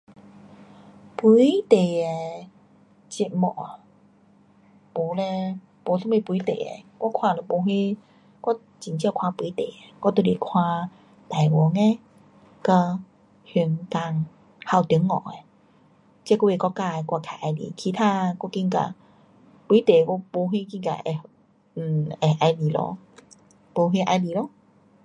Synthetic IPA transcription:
pu˧˦jt̪e˨ɛ˨˧ | t͡ɕi˧t̚mɔ˧˩˨a˨ | pu˨˦lɛ˧ | po˨˦su˥˦me˧˩pu˧˨˦t̪ḛ˨ḛ˨kwɔ˥kʰwaː˧lə˨˧˩po˨˧˦ɦe˦ | kwɔ˥ | t͡ɕi˨˩ŋt͡ɕi˧˥˧kʰwa˧pu˧˦t̪e˨ɛ˨kɔ˥˩t̪o˧˨li˨˩kʰwã˧ | t̪a˨˩jwɔ˨˦ŋɛ˧ | kə˧ | hy˧ŋka˧ŋ | ha˧˩wt̪i˨˧˦ŋːɔ̰˧˩˨e˨ | t͡ɕkɔ˧˦˧e˧˨kʷɔ˧ka˧˨ɛ˨˧kwa˧˩kʰa˨˧˨ʔa˧jlḭ˨kʰi˧t̪ʰaː˧kɔ˥˧˩ki˧˦ka̰˧˨˩ | pwi˧˦t̪e˨kɔ˧˥po˧ɦe˧˦k̬i˧ka̰˨˩ʔɛ˨˩˨ | ɛ˧˩ʔa˧jli˨˩lɔ̰˧˦ | po˧ɦe˧˦ʔa˧jli˧˦lɔ˧˦

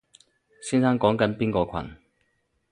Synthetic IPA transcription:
si˥nsa˥ŋkɔː˨˥ŋkɐ˨˦˥npi˥ŋkɔː˧kʰwɐ̰˨˩n

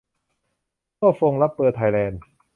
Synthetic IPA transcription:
t̪ɔː˥˩fo˧ŋla˦˥pːɤː˧˩t̪ʰa˧jlɛː˧n

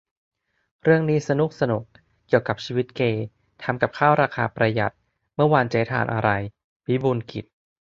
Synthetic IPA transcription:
ɾɯ˥˩əŋniː˦˥sa˧nu˦˥k̚sa˧nu˨˩k̚ | kːi˨˩əwka˨˩p̚t͡ɕʰiː˧wi˦˥t̪̚keː˧ | t̪ʰa˧mka˨˩p̚kʰaː˥˩wɾaː˧kʰaː˧pɾa˧ja̰˨˩t̪̚ | mɯ˥˩ɐwa˧nt͡ɕaː˦˥˦jt̪ʰa̰ː˨˩nʔa˧ɾa˧j | pʰi˦˥buː˧nkḭ˨˩t̪̚

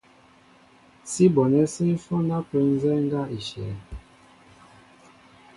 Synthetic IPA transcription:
si˦bɔ˨nɛ˦se˦fɔ˦na˦pə˨˦n˦zɛ˦ŋ˦ɡa˦i˨ʃɛ˨˦

